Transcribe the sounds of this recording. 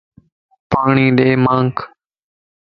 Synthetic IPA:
paːɳiːɗeːmãːŋkʰ

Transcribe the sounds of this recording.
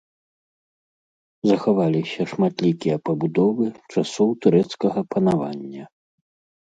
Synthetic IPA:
zɐxavalʲisʲɐʂmat̪lʲikʲijɐpɐbud̪ɔvɨt͡ʂasɔwt̪uɾɛt̪skɐɣɐpɐnavanʲːɐ

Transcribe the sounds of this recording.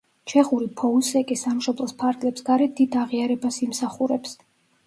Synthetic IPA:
t͡ʃʰɛχuɾipʰɔusɛkʼisamʃɔblˠɔspʰaɾɡlɛpsɡaɾɛd̪̥id̪aʁiaɾɛbasimsaχuɾɛps

